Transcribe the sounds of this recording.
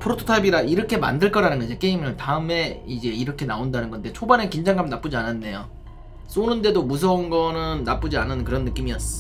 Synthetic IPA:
pʰɯɾotʰo̥tʰaibiɾaiɾʌkʰe̞ma̰ndɯɭk͈ʌɾanɯnɡʌd͡ʑek͈eimɯɯntaɯme̞id͡ʑe̞iɾʌkʰe̞naondanɯnɡʌnde̞t͡ɕʰobanekind͡ʑaŋɡamnap͈ud͡ʑiananːe̞jo | s͈onɯnde̞domus̬ʰʌunɡʌnɯnːap͈ud͡ʑianɯnkɯɾʌnːɯk͈imiʌs͈ʌ

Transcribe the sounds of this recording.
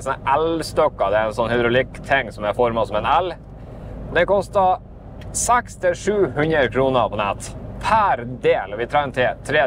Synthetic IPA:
sɔnəʔɛlst̪ɔkːɑd̪ɛæɾɛnsɔnːhɪd̪ɾʊlɪkːt̪ʰɛŋːsɔmæfɔɾmɑsɔmɛnɛl | d̪ɛkɔst̪ɑ | sɛkst̪ʰɪlʂʉːhʉnɾəɾkʰɾuːnəpʰɔnɛt̪pʰæɾd̪eːlɑʋɪt̪ʰɾɛŋːt̪ʰɪt̪ʰɾeː

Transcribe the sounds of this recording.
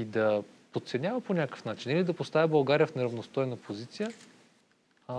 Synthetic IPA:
id̪ɐ | pot̪t̪sɛnʲavəponʲakə̥fnat͡ʃinilid̪ɐpost̪avibɐlˠɡaɾijəfnɛɾɐvnost̪ɔjnəpʰozit̪sijə

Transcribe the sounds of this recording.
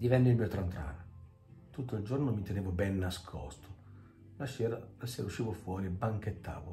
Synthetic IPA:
d̪ivɛnːɪilmiːot̪ɾant̪ɾa̰ːna | t̪ut̪ːoild͡ʒornomit̪eneːvobɛnːaskʰɔ̰st̪ʰo | laʃɛːɾalasːeuʃːiːvofwɔːɾibaŋk̟et̪ʰːa̰ːvo̰

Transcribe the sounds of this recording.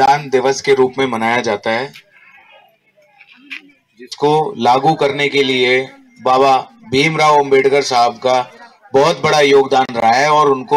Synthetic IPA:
aːnd̪ɪʋəskeɾuːpmẽmɐnaːjad͡ʒaːt̪aɦɛː | d͡ʒɪskolaːɡukɐɾnekelie | baːbabʱiːmɾaːʋɐ̃mbeːʈɡəɾsaɦəbka | bɔːt̪bɐɽajoːɡd̪aːnɾɐɦaɛɔːɾʊnko

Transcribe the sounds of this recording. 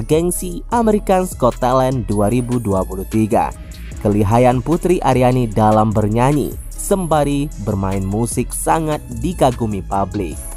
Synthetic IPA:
ɡɛnsiʔamɛɾikanskɔt̪ːalɛnduaɾibuduapuluht̪iɡa̰ | kəliɦajanput̪ɾiʔaɾianidalambərɲaɲḭ | səmbaɾibərmaɪnmusɪk̚saŋat̪̚diɡaɡumipablɪk̚

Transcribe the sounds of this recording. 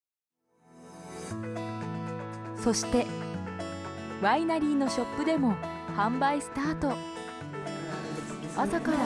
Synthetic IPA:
so̞ɕi̥t̪e̞ | bainaɾʲiːno̞ɕo̞pːɯ̟d̪e̞mo̞hãmbaist̪aːt̪o̞ | at̪aka

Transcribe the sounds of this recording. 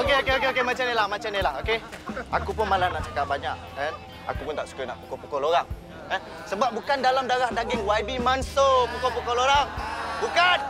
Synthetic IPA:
okeokeok̬eokemat͡ʃamnelahmat͡ʃamnilahokeakup̬ʊnmalanaʔt͡ʃakap̚baɲak̚ | ɛ | a̰kupʊnt̪aʔsu̥kanaʔpukɔpukɔloɾaŋ | ɛ | səbap̚bukandalamdaɾahdaɡɪŋwaibimansopukɔpukɔloɾaŋbukan

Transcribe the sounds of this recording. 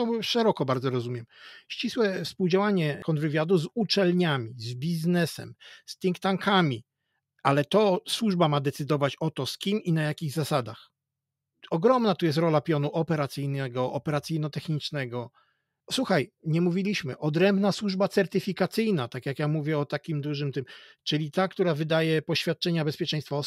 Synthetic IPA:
ɔʂɛɾɔkɔbaɾd̪zɔɾɔzumʲjɛmɕt͡ɕiswɛfspuwd͡ʑawaɲɛkʰɔnd̪vɘvʲjad̪uzut͡ʂɛlɲamʲizbʲiznɛsɛ̰msp̪ʲiŋkt̪aŋkamʲi | ʔalɛt̪ɔswuʐbamad̪ɛt̪sɘd̪ɔvat͡ɕɔt̪ɔskʲiminajakʲiɣzasad̪ax | ɔɡɾɔmnat̪ujɛst̪ɾɔlapʲjɔnuʔɔpɛɾat̪sɘjnɛɡɔʔɔpɛɾat̪sɨjnɔt̪ɛxɲit͡ʂnɛɡɔ | swuxajɲɛmuvʲilʲiɕmɘʔɔd̪ɾɛmbnaswuʐbat̪sɛɾt̪ɘfʲikat̪sɘjnat̪akjakjamuvʲjɛɔt̪akʲimd̪uʐɘmt̪ɘmt͡ʂɘlʲit̪akt̪uɾavɘd̪ajɛpɔɕfʲjat̪̚t͡ʂɛɲabɛspʲjɛt͡ʂɛ̃j̃st̪fɔ

